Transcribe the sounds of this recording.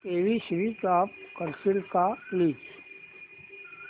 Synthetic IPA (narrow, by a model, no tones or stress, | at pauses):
t̪eːʋisɾitaːpkəɾsɪlkaliːt͡ʃ